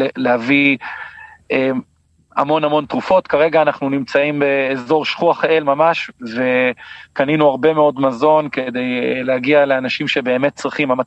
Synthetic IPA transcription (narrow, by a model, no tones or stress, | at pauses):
eleavi | ʔem | a̰mo̞namo̞nt̪ʁufo̞t̪kaʁe̞ɡaːnaχnunimt͡saimbe̞ːzo̞ʁʃχuaχelmamaʃve̞kaninuaʁbe̞me̞o̞dmazo̞nked̪e̞jlehaɡialeanaʃimʃe̞be̞ːme̞t̚t͡sʁiχimama